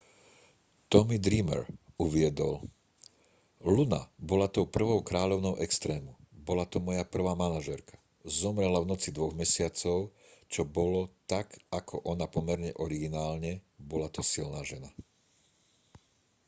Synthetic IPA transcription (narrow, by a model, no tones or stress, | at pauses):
t̪ɔmid̪ɾimɛ̰ɾuʋɪɛd̪ɔl | luna̰bɔlat̪ɔʊpr̩ʋɔʊkɾaːʎɔʊnɔʊʔɛkst̪ɾɛːmubɔlat̪ɔmɔjapr̩ʋaːmanaʒɛɾkḁ | zɔmɾɛlavnɔt͡sid̪ʋɔɣmɛsɪat͡sɔʊ | t͡ʃɔbɔlɔt̪akakʰɔʔɔnapɔmɛɾɲɛʔɔɾiɡinaːlɲɛbɔlat̪ɔsilnaːʒɛna